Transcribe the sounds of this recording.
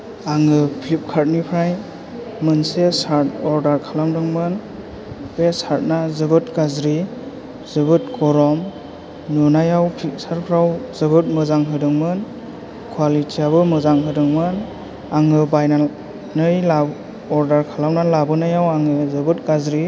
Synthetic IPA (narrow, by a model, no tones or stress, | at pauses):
aŋɯpʰlip̚kʰaɾt̚nipʰɾaj | mɯnsesaɾtɔɾdaɾkʰalamdɯŋmɯn | besaɾt̚nazɯbɯt̚ɡazɾi | zɯbɯt̚kʰɔɾɔm | nunajawpʰik̚saɾpʰɾawzɯbɯt̚mɯzaŋɦɯdɯŋmɯn | kʰwalitʰijabɯmɯzaŋɦɯdɯŋmɯn | aŋɯbajna | nɯjla | ɔɾdaɾkʰalawnalabɯnajawaŋɯzɯbɯtɡazɾi